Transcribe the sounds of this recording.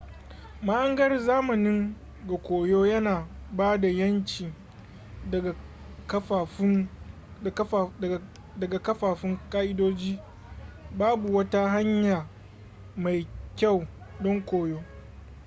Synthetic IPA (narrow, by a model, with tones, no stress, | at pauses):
ma˦ʔɐ˦ŋɡɐ˦rzaː˦mɐ˨nɪ˦ŋ | ɡa˨kʷoː˨joː˦jɐ˦naː˨baː˦da˨jɐ˦nt͡ʃʲiː˨ | kː | dɐ˨ɡa˨kɐ˦ɸaː˨ɸɪ˦ŋkʼaː˦ʔɪ˦doː˦d͡ʒiː˦ | baː˦bu˨wɐ˦ta˦ɦa˦ɲjaː˨ | ma˨jkʲa˦˨w | dɔ˦ŋkʷoː˨joː˦